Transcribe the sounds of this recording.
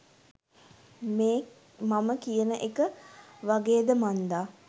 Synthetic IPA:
meː | maməkijənəʔekəʋaɡeːd̪əmand̪aː

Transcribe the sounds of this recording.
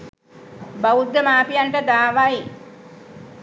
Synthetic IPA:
baud̪ːəmaːpijaɳʈəd̪aːʋaj

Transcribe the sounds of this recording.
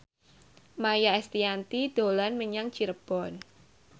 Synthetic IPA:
majaɛst̪iant̪id̪̥o̤lanməɲaŋ̥t͡ʃiɾəb̥ɔn

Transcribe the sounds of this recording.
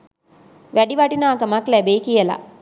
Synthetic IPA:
ʋæɖiʋɐʈinaːkɐmɐklæbeikijəla̰

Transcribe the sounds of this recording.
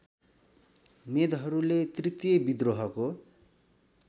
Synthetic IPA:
med̪ɦʌɾulet̪rit̪jʌbid̪roɦʌko

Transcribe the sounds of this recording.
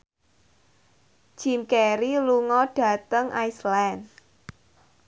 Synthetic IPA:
d͡ʒ̥imkɛɾiluŋɔɖ̥ä̤t̪əŋʔaislan

